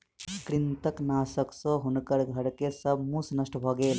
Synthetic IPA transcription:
kɾint̪ɐknaːsɐksɔɦunukɐɽɡʱɐɽkesɐbʱmuːsnɐʂʈɐbʱaːɡeːl

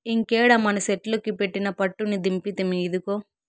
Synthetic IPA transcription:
iŋkeːɽɐmɐnɐseʈloːkipeʈːinɐpɐʈːunid̪impit̪emiːd̪ukoː

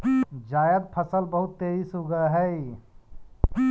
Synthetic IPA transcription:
d͡ʒaːjəd̪̚pʰəsəlbəɦʊt̪ːeisɦoɡaɦɛi

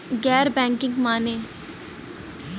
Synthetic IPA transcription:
ɡɛːɾbɛ̃ːŋkɪ̃ŋɡmaːneː

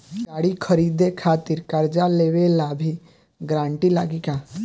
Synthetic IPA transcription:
ɡaɽikʰəɾid̪ekʰat̪iɾkəɾd͡ʒaleʋelabʱi | ɡɾãɳʈila̰ɡika

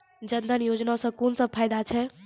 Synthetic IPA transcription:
d͡ʒənd̪ənjod͡ʒnasə̃konsə̃b̚pʰajd̪at͡ʃʰɛ

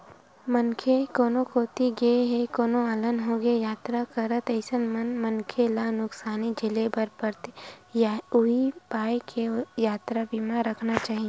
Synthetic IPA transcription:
mənkʰekoːnokoːt̪iɡeɦekoːnoaːlənɦoɡejaːt̪ɾakəɾət̪əɪsənmənmənkʰelanʊksaːnid͡ʒʱɪlebəɾpəɾt̪ejʊibaːjkʰejaːt̪ɾabiːmaɾəkʰnat͡ʃaːɦie

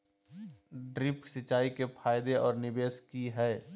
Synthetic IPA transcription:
ɖɾɪpsɪt͡ʃaːikepʰaːɪd̪eɔːɾnɪbeːskiɦɛː

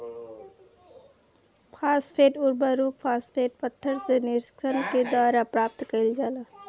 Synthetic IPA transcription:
pʰaːsʈeːʈʊɾbəɾuːppʰaːsʈeːʈ̚pət̪ʰːəɾsenɪɾsksənked̪waːɾapɾaːp̚t̪kəild͡ʒalə

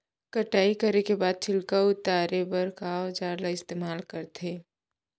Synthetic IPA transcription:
kɐʈaːikəɾekebaːd̪̚t͡ʃʰɪlkaʊt̪aːɾebɐɾkaːwd͡ʒaːɾlaɪst̪eːmaːlkəɾt̪ʰeː

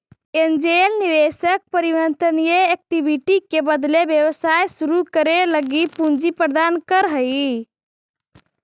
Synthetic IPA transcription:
end͡ʒelniʋesək̚pəɾibənt̪ənijeek̚ʈibʱiʈikebəd̪lebjewəsajsuɾukəɾeləɡipund͡ʒipɾəd̪ankəɾɦəj

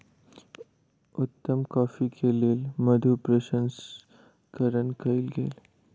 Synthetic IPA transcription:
ʊt̪ːəmkɔːfikʰeleːlmɐd̪ʱupɾɐʃə̃ns | kəɾənkɐɪlɡḛːl

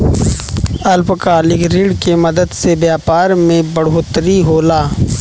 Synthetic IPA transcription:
ɐlpkaːlɪkɾiːɽkemɐd̪əd̪sebjaːpaːɾmẽbɐɽ̤oːt̪əɾiɦoːlaː

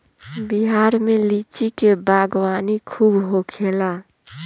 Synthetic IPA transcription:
biɦaːɾmẽlit͡ʃikebaːɡwaːnikʰuːbɦokʰeːla

